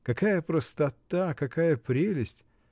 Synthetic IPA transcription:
kɐkajəpɾəst̪ɐt̪akɐkajəpɾʲelʲɪsʲtʲ

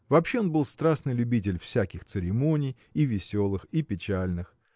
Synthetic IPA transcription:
vɐpɕːeonbɨlˠst̪ɾasnɨjlʲʊbʲit̬ʲɪlʲfsʲækʲɪxt̪sɨɾʲɪmo̞nʲɪj | ivʲɪsʲo̞lˠɨxipʲɪt͡ɕælʲnɨx

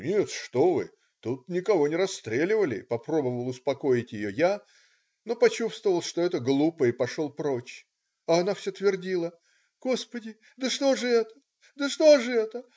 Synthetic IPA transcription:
nʲet̪ʂt̪o̞vɨ̰ | t̪ut̪̚nʲɪkɐvo̞nʲɪɾɐsːt̪ɾʲelʲɪvəlʲɪ̰pɐpɾo̞bəvəlˠʊspɐko̞ɪtʲjɪjo̞ja | no̞pɐt͡ɕust̪vəvəlˠʂt̪o̞ɛt̪əɡlˠupəɪpɐʂo̞lˠpɾo̞t͡ɕ | ɐɐnafsʲot̪vʲɪrdʲilˠə | ɡ̥o̞spədʲɪ | d̪əʂt̪o̞ʐɨɛt̪ə̥ | d̪əʂt̪oʐɨɛt̪ə

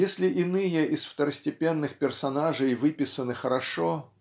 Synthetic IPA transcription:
jesʲlʲɪʔɪnɨjəʔɪsft̪əɾəsʲtʲɪpʲenːɨxpʲɪrsɐnaʐəjvɨpʲɪsənɨxəɾɐʂo

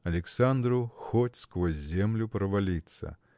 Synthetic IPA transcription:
ɐlʲɛksand̪ɾʊxɔtʲskʋɔzʲzʲɛmlʲʊpɾɐʋɐlʲit̪sɐ̰

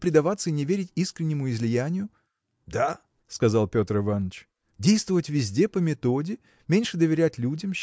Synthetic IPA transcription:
pɾʲɪd̪ɐvat̪səinʲɪvʲeɾʲɪtʲiskɾʲɪnʲːɪmʊɪzlʲɪjænʲɪjʊ | d̪a | skɐzalˠpʲo̞t̪rɨvanːət͡ɕ | dʲejst̪vəvətʲvʲɪzʲdʲe̞pəmʲɪt̪o̞dʲɪ | mʲenʲʂɨd̪əvʲɪɾʲætʲlʲudʲəmɕ

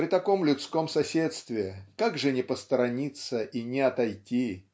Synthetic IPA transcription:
ɾʲɪt̪ɐko̞mlʲʊt̪sko̞msɐsʲet̪st̪vʲɪɪkaɡʐɨnʲɪpəst̪əɾɐnʲit̪səʔinʲɪɐt̪ɐjtʲi

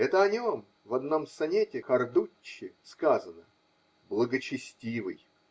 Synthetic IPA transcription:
ɛt̪əɐnʲo̞m | vɐd̪no̞msɐnʲetʲɪxɐrd̪ut͡ɕːɪskazənə | blˠəɡət͡ɕɪsʲtʲivɨ̰j

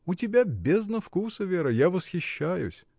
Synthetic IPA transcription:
ʊtʲɪbʲabʲeznɐfkusəvʲeɾəjavəsxʲɪɕːæjʊ̰sʲ

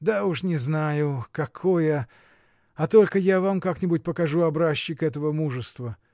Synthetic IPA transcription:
d̪auʂnʲɪznajʊkɐkʰojə | ɐt̪olʲkəjavamkaknʲɪbʊt̚ʲpəkɐʐuɐbɾaɕːɪkɛt̪əvəmuʐɨst̪və

